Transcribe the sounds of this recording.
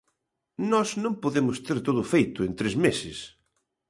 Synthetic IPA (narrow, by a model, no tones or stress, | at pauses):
nɔsnõmpoðemʊst̪eɾt̪oðʊfejt̪ʊent̪ɾezmesɪs